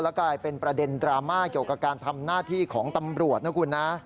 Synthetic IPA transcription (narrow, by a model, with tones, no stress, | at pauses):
lɛ˦˥kaː˧jpe˧npɾa˧de˧ndɾaː˧maː˥˩ki˨˩əwka˨˩p̚kaː˧nt̪ʰa˧mnaː˥˩t̪ʰiː˥˩kʰɔː˩˦ŋt̪a˧mɾu˨˩ət̪̚na˦˥kʰu˧nːa˦˥